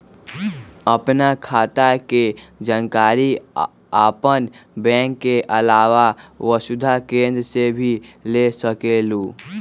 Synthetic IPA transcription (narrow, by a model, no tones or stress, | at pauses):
əpnakʰaːt̪aked͡ʒənkaːɾi | aːpənbɛ̃ːŋkːeʔəlaːʋawəsʊd̪ʱakẽːnd̪ɾəsebʱilesəkeːluː